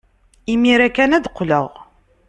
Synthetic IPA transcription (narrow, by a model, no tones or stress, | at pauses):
imiɾækːænæd̪qːləʁ